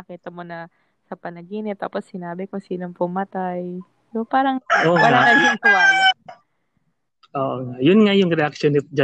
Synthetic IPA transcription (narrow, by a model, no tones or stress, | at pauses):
ɐkiːt̪ɐmonɐ | sɐpɐnɐɡiːnɪtt̪ːa̰ːposːɪnaːbɪkosiːnoŋpʊmɐt̪aj | sopaːɾɐŋʔopaːɾɐaɐd͡ʒʊŋpʊlaʔ | ʔoːʔoŋaʔjʊnŋajʊŋɾɛʔakʃonɪd͡ʒɐ